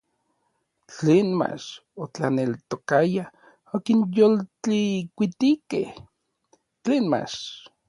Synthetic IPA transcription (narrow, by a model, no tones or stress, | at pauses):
t͡ɬeːnma̰t͡ʃot͡ɬa̰nelt̪okaja | okinjolt͡ɬikʷit̪ikeh | t͡ɬeːnma̰ʃ